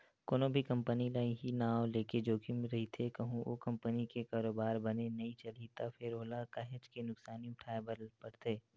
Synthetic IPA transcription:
koːnobʱikɐ̃mpənilaːĩɦinaːwleːked͡ʒoːkiɾɐɦit̪ʰekɐɦũo̰ːkɐ̃mpənikekaːɾoːbaːɾbɐnenɐɦĩt͡ʃɐlit̪afɪɾoːlakaɦɪ̃t͡ʃkinʊksaːniʊʈʰaːebəɾlpɐɾt̪eː

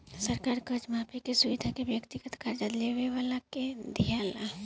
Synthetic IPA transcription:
sɐɾkaːɾkɐd͡ʒmaːpʰikesʊʋid̪ʱakeʋjəkt̪iɡət̪kaɾd͡ʒad̪leʋeʋalaked̪ʱijaːla

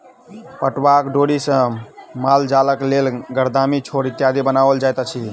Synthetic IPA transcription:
pəʈʋakɖoɽisə̃mald͡ʒaləklelɡəɾd̪amit͡ʃʰoɾit̪jad̪ʱibənabəld͡ʒajt̪ət͡ʃʰi

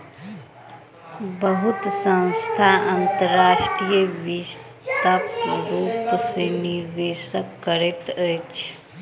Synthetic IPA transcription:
bəɦʊt̪sə̃nst̪ʰaɐnt̪əɾːaːʃʈɾijəʋis | t̪apɾuːpseniɾʋeːʃəkːəɾet̪ət͡ʃʰ

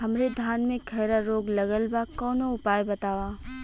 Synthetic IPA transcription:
ɦɐmɾed̪ʱaːnmẽkʰɐjɾaɾoːɡlɐɡəlbakɔːnoʊpaːjbɐt̪aːwaː

